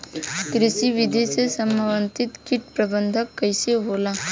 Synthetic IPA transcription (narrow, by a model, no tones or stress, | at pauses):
kɾisiʋid̪esesəmaʋənt̪it̪kiʈpɾɐbənd̪ʱəkːəjseɦola